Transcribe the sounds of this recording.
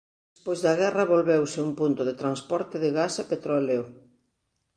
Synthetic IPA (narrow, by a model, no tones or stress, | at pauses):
despojzðɐɣɛrɐβolβewsɪumpunt̪ʊðet̪ɾanspɔɾt̪ɪðɪɣasapet̪ɾoleo